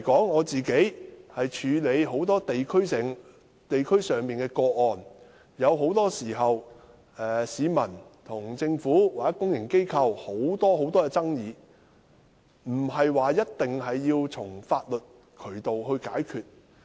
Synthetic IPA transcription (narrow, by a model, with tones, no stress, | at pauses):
kɔː˨˥ŋɔː˨˧t͡siː˨ke˨˥jhɐ˨jt͡ʃʰyː˨˧le˨˧jɦo˨˥wt̪ɔː˥t̪e˨jkʰɵ˥ɥɪ˨ŋ | t̪e˨jkʰɵ˥ɥsœː˨ŋpiː˨nkɛː˧kɔː˧ʔɔː˨n | jɐ˨˧wɦo˨˥wt̪ɔː˥siː˨˩ɦɐ˨w | ɛː˨˩siː˨˧mɐ˨˩nt̪ʰʊ˨˩ŋt͡sɪ˧ŋfuː˨˥waː˨˩jɐ˥kʊ˥ŋjɪ˨˩ŋke˥jkʰɐ˧who˨˥wt̪ɔː˥ho˨˥wt̪ɔː˥ɛ˧t͡sɐ˥ŋjiː˨˧ | m̩˨˩hɐ˨jwaː˨jɐ˥t̚t̪ɪ˨ŋɦɐ˨jːiː˧wt͡sʰʊ˨˩ŋfaː˧t̚lɵ˨t̚ | kʰɵ˨˩ɥt̪o˨wɦɵ˧kaː˨˥jkʰyː˨˩t̚